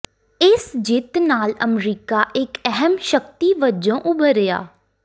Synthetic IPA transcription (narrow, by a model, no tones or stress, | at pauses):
ɪsd͡ʒɪt̪naːlə̰mɾiːkaːʔɪkɛɦəmʃək̚t̪iːʋəd͡ʒõːʔʊbəɾɪja̰ː